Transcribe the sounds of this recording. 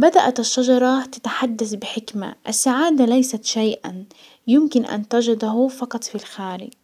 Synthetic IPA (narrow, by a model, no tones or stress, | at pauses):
bad̪aʔat̪aʃːɑd͡ʒɑɾˤɑt̪ḁt̪ḁħad̪ːaθbɪħɪkma̰ʔasːaʕaːd̪alajsat̪ʃajʔa̰n | jʊmkɪnʔa̰nt̪ad͡ʒad̪aɦʊfɑqɑt̪ˤfilxaːɾɪ̰